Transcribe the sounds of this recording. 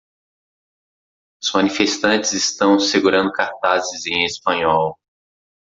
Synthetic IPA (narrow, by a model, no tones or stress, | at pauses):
ʊz̥mɐ̃nifest̪ɐ̃nt͡ʃɪzɪst̪ɐ̃w̃seɡuɾɐ̃nd̪ʊkaɾt̪azɪzẽj̃espɐ̃ɲɔw